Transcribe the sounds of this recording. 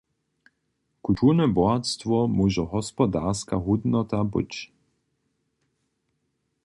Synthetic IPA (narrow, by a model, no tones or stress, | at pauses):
kult̪ʰurnɛbɔat̪st̪vɔmuːʒɔɦɔspɔd̪aɾskaɦud̪nɔt̪abɨ̰t͡ɕ